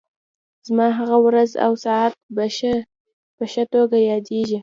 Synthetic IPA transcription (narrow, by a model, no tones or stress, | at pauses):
z̥mɑɦaɣawɾaza̰wsɑat̪̚b | b̥əʃat̪oɡajɑd̪eʒi